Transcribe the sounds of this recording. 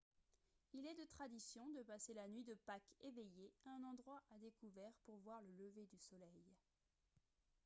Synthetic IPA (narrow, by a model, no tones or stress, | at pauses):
ilɛd̪ət̪χad̪isjɔ̃d̪əpaselanɥid̪əpakevejeaɛ̃nɑ̃d̪ʁwaʔad̪ekuvɛʁpuʁvwaʁlələved̪ysɔlɛj